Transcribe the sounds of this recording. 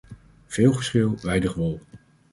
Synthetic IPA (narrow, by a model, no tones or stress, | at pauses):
v̥ɪːlˠχəɹsχɪlˠʋɛjdəχʋɔlˠ